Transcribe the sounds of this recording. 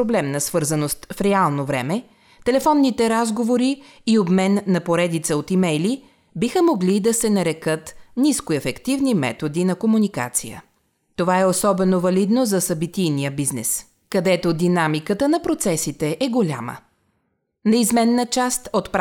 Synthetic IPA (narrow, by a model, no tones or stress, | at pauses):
oblɛmnɐsvɤɾzɐnost̪fɾɛalˠnovɾɛ̰mɛ | t̪ɛlɛfɔnːit̪ɛɾazɡovoɾiː | obmɛnːɐpoɾɛd̪it̪səot̪imɛjli | bixəmoɡlid̪ɐsɛnɐɾɛkət̪niskoɛfɛkt̪ivnimɛ̰t̪od̪inɐkomunika̰t̪sḭjə̰ | t̪ovaɛosɔbɛnovɐlid̪nozɐsɐbit̪ijnijəbiznɛ̰s | kɐd̪ɛt̪od̪inamikət̪ənɐpɾot̪sɛsit̪ɛʔɛɡolʲa̰mə̰ | nɛizmɛnːət͡ʃast̪ot̪p